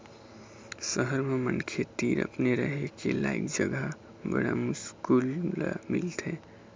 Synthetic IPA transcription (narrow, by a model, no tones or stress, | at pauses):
səɦəɾmemənkʰet̪iɾə̰pneɾəɦekelaikd͡ʒəɡə | bə̰ɽamʊskulla̰milt̪ʰe